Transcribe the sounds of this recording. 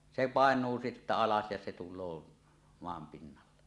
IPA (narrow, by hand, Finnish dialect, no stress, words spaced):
se pɑˑenˑuː sitːæ ɑlɑs jɑ se tulˑoː moɑm pinːɑlːe